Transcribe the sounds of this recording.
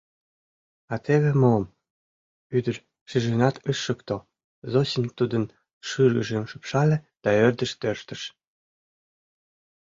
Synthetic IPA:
ɑt̪ʰeβĕmom | yd̪ər | ʃiʒenɑt̪ʰəʃːə̆kt̪o | zosimʲt̪ud̪ən | ʃɯɾə̰ʒemʃɯpʃɑlʲĕd̪̥ɑørd̪ə̆ʃt̪ørʃt̪ə̆ʃ

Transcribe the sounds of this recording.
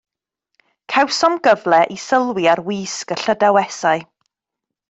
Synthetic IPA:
kʰɛwsɔmɡəvlɛʔisəlˠwɪaɾwiːskəɬədawɛsaɨ

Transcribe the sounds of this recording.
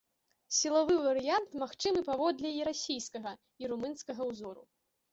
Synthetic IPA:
sʲilˠavɨvɐɾɨjant̪maxt͡ʂɨmɨpavɔd̪lʲɛiɾasʲijskɐɣɐ | iɾumɨnskɐɣɐwzɔɾṵ

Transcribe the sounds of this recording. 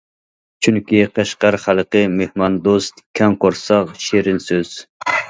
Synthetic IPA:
t͡ʃʰyŋkʲiqʰæʃqɑɾχælqəmehmɑnd̪ost̪kʲʰɛŋqoɾsɑqʃeɾɪnsøz̥

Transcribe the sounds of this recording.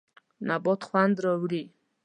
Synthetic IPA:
nabɔt̪χwand̪ɾəwli

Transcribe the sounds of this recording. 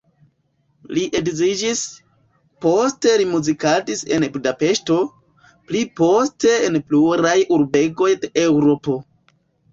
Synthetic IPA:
liʔe̞dzid͡ʒis | po̞ste̞limuzikadise̞̰nbudape̞ʃto̞ | plipo̞ste̞enpluɾajuɾbe̞ɡo̞jdeewɾo̞po̞

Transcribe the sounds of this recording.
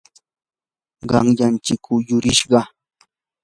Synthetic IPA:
ɢɑ̰ŋʎant͡ʃɪkːʊjʊɾɪʃɢɑ

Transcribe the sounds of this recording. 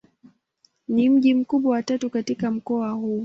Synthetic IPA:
nim̩ʄim̩kuɓwawatatukatikam̩kɔahuː

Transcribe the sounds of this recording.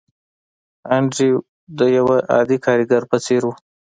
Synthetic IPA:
aɳɖɾi | d̪əjawaʔɑ̰d̪ikʰɑɾiɡaɾpət͡seɾwu

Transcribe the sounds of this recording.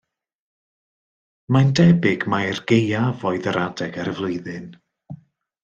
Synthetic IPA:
mandɛbɪɡmajrɡejavɔɨðəɾadɛɡaɾəvlˠʊɨðɨn

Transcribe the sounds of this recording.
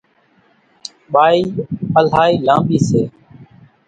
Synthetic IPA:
ɓaːiːəlaːiːlãːmɓiːseː

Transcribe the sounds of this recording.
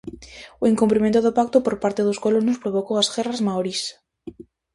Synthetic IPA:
oeŋkumpɾimẽnt̪oðopak̚t̪opoɾpaɾt̪eðoskolonʊspɾoβokowasɣɛrazmawɾis

